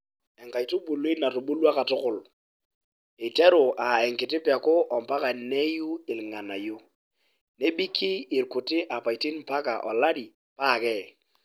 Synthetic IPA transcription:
ɛ˨ŋka˨i˨to˦bo˨le˦na˨to˨ɓo˦lwa˦ka˨tʊ˦kʊ˨l | ɪ˨tɛ˦ɾʊ˨a˨ɛ˨ŋkɪ˨tɪ˦pa˨kʊ˦ʔɔ˨mpa˦ka˨ne˦ju˦ɪ˨lɪ˨ŋa˨na˨jo˦ | ne˦bi˦kʰɪ˦ɪ˨ɾkʊ˨tɪ˦ʔa˨pa˨i˨ti˦npa˦ka̰˨ʔɔ̰˨la˦di˨ | pa˦˨kɛ˦

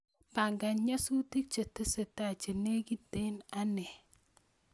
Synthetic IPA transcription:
pa˨ŋɡa˨ɲa˦su˦ti˦k̚t͡ʃe˨te˦se˨ta˨t͡ʃe˨ne˦ɡi˦de˦na˦nɛ˨

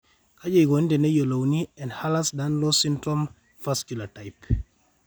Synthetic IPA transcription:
kʰa˦d͡ʒɔ˨iɡɔ˨n˦dɛ˨nɛ˦jo˨lo˨wniɛ˨nhalasdanlo˦sintɾɔm | faskjulatajp

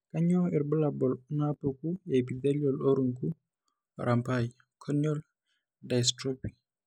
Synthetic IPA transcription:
ka˦ɲɔ˦ɛ˨ɾbɔ˦labɔ˨lna˦po˨ku˦e˨pi˨de˦liɔ˨lo˦ɾu˨ŋku˦ | ɾʔa˨mpaj | kʰɔniɔ˦l | da˨stɾɔ˦pi̥˨

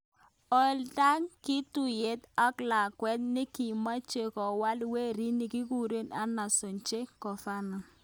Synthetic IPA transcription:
ɔ˨lta˦ŋki˦tu˨je˨˦ta˦kla˨kwɛ˦t̚nɪ˦ki˨ma˦t͡ʃe˨kɔ˨wa˦lwe˦ɾi˦nɪ˨ki˦ku˦ɾe˦na˦na˨so˨ɲt͡ʃe˦kɔ˨fa˦nɔ˨

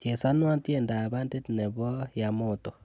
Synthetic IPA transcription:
t͡ʃe˨sa˦nwa˦t̪je˦˨nda˨ba˦nde˦tnɛ˨bɔ˦ja˨mo˦˨t̪ɔ˨

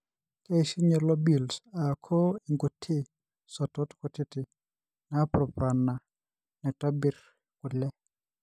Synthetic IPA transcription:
ke˦ʃi˦ɲɛ˨lɔ˦bi˨lsa˨kʰɔ˦i˨ŋɡo˨tʰɪ˦ | sɔ˨tɔ˦tkɔ˨tɪ˦tɪ˨ | na˦pɾɔ˨pɾa˨na˨ | nɛ˨ta˦bi˨ɾ | kʊ˨lɛ˦

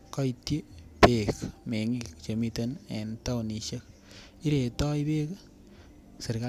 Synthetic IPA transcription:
kɔ˦itji˦pe˨kme˨ŋi˨kt͡ʃe˨mi˦tenɛ̰˨nta˦wni˨ʃe˦k̚ | i˦ɾe˨tɔ˦i˦pe˦k | se˨ɾka˦

